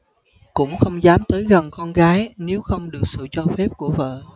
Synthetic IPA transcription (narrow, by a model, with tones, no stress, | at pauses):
kʊ̰˧˥ŋ͡mxə˧wŋ͡mzaː˨˦mt̪əː˨˦jɣə˨˩nkɔ˧nɣaː˨˦jne˨˦wxə˧wŋ͡mɗɨ˨˩ək̚sɨ̰˧˨t͡ɕɔ˧fɛ˦˥p̚ku˧˩əvə̰ː˧˨